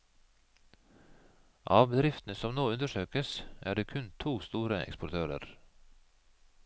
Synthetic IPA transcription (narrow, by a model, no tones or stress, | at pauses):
ʔɑːʋbəd̪ɾɪft̪n̩əsɔmnoːʉnd̪əʃøːkəsʔæ̰ːɖeːkʰʉnt̪ʰuːst̪uːɾəʔɛ̰kspʊt̪ʰøːɾə̰ɾ